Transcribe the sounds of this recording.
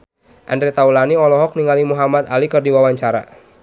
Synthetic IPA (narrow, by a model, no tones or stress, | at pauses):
ʔandɾɛt̪aulaniɔlɔɦɔk̚niŋalimuɦamat̪alikɨrdiwawaɲt͡ʃaɾa̰